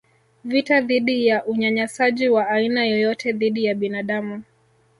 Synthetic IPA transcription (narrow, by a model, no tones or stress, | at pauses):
vitaðiɗijaʔuɲaɲasaʄiwaːinajɔjɔtɛðiɗijaɓinaɗamu